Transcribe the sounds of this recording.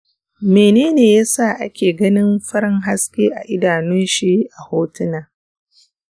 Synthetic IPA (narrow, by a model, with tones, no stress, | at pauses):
meː˨neː˦neː˨jaː˦sa˦˨ʔa̰˦kʲeː˨ɡɐ˦nɪ˦mɸɐ˦ɾɪ˦ŋɦa˦skʲeː˦ʔa˨ʔɪ˦daː˨nʊ˦nʃi˦ʔa˨hoː˦tɪ˦naː˨